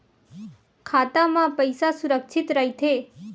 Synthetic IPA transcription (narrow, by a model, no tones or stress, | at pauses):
kʰat̪amãpəjsasuɾəkʃʰit̪ɾəɦit̪ʰe